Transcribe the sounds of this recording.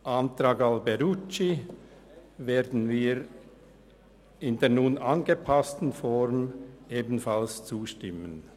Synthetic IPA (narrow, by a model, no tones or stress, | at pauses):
ʔɑntɾɑːɡɑlbɛɾut͡ʃi | veːdn̩viːɾ | ɪndeːɐnunɑnɡəpʰastn̩fɔɾmeːbn̩fɑlst͡suːʃtɪmən